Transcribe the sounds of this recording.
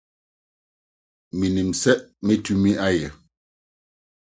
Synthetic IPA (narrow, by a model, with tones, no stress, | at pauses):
mi˨ni˨m̩˨sɛ˦ʔme˦tu˦mi˦ʔa˦jɛ˨